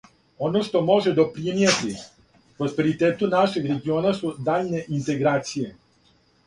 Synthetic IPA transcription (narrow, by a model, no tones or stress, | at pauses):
o̞no̞ʃt̪o̞mo̞ʒed̪o̞pɾimijet̪i | pɾospe̞ɾit̪eːt̪unaʃe̞ɡɾe̞ɡio̞ːnasud̪aːʎne̞ʔint̪e̞ɡɾaːt̪sije̞